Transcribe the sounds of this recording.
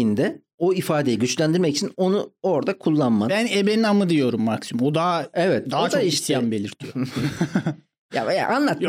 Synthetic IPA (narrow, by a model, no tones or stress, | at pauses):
ind̪ɛ | o̞ifaːd̪e̞jiɟyt͡ʃlʲænd̪iɾmɛci̥t͡ʃʰino̞nuo̞ɾd̪akʰulˠːanmanbænebeninamɯd̪ijo̞ɾumːaksimod̪aɛvɛt̪̚d̪at͡ʃ̪ʰoaiʃt̪ʰijanbe̞lʲiɾt̪ʰijo | ja̰ja̰ʔanlˠat̪